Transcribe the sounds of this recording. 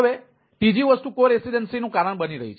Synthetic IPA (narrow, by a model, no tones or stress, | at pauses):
əʋe | ʈid͡ʒiʋəst̪ukoɾesiɖənsinũkaɾəɳ̃bəniɾə̰ɦit͡ʃʰ